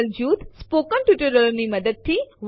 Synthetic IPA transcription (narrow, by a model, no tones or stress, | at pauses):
ld͡ʒuːt̪spoːkənʈuʈəɾəɾniməd̪əd̪̚t̪ʰiʋ